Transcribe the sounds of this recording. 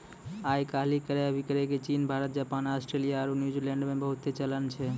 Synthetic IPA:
ajkaɦlikəɾeəbʱikəɾeket͡ʃinbʱaɾət̪̚d͡ʒapanasʈɾelijaaɾunjud͡ʒiɾlẽɳɖmebəɦut̪ːet͡ʃələnt͡ʃʰɛ

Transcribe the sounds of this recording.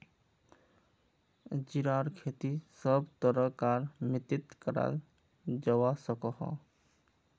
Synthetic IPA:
d͡ʒiɾaɾkʰet̪isəbt̪ɔɾɔkaɾmit̪it̪kəɾa̰ | d͡ʒɔwasɔkɔhɔ̰

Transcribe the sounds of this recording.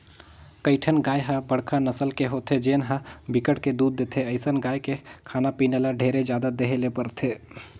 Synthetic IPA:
kəɪʈʰənɡaːjɦãbəɽkʰanəsəlkeɦot̪ʰed͡ʒeːnɦãbikəʈked̪uːd̪ːeːt̪ʰeəɪsənɡaːjkekʰaːnapineːlaɖʱeːɾed͡ʒjaːd̪ad̪eɦelepəɾt̪ʰeː

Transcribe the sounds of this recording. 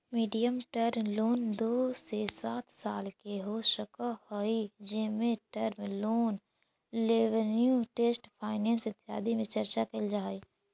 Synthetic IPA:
miːɖijəmʈəɾmloːnd̪oːsesaːt̪ʰsaːlkeɦoːʃəkahoːid͡ʒɪmẽʈəɾmloːn | leʋənjuʈeːsʈpʰaːɪnẽːnsɪt̪ːɪja̰ːd̪imẽt͡ʃəɾt͡ʃakeld͡ʒaːeː

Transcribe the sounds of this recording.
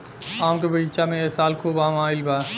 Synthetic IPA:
aːmkebəit͡ʃamẽesaːlkʰuːbaːmaːɪlbaː

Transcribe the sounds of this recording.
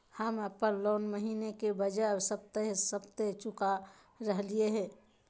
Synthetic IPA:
həməpənloːnməɦiːnekebəd͡ʒabsəb̚t̪eɦsəbt̪et͡ʃʊka | ɾəɦlieɦɛ̃ː

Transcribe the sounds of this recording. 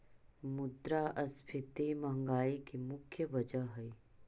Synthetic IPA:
mʊd̪ɾaːʔɐspʰɪt̪emɐɦŋɡaːikimʊkʰjəʋɐd͡ʒəɦɦɐi

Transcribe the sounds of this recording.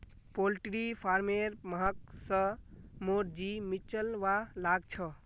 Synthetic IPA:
polʈɾipʰaɾmeɾməɦək̚səmoɾd͡ʒimit͡ʃəlʋalaɡt͡ʃʰə

